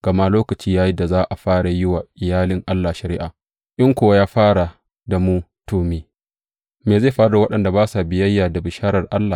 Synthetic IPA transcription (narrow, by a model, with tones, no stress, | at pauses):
ɡ̥ɐ˨ma˦loː˦kɐ˨t͡ʃiː˦jaː˦ji˦da˨zaː˦ʔa˨ɸaː˦ɽa˨jʊ˦wa˨ʔɪ˨jaː˦lɪ˦ŋʔa˦lːaː˨ʃɐ˨ɾɪ˦ʔaː˨ | ʔɪ˦ŋkʷoː˨wa˦jaː˦ɸaː˦ɽa˨ | da˨mu˦toː˨meː˨ | meː˨ze˦˨ɸaː˦ɽda˨wɐ˦ɗɐ˨nda˨baː˦sa˨bɪ˨jɐ˦jːaː˨da˨bɪ˨ʃaː˦ɾɐ˨rʔa˦lːa˨